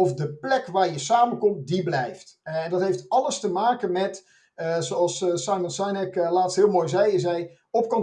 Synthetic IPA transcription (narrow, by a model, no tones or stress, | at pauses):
ɔfdəplɛkʋaːɹjəsaːməkɔmt̚diblɛjftɛndɑtɦejftɑləstəmaːkənmɛt | soɑlˠssajməlnsajnɛklaːtstɦɪəlˠmojzɛjɪs̬ɛj | ɔp̚kɔn